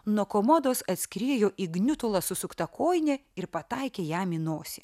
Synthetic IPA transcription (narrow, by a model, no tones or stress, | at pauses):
nuɔkoːmɔd̪oːsɐt̪ʲsʲkʲɾʲiɛjoːʔiɡnʲʊt̪ʊlˠɐsʊsʊkt̪ɐkoːjnʲɛɪɾpɐt̪ɐɪkʲeːjæːminoːsʲɪ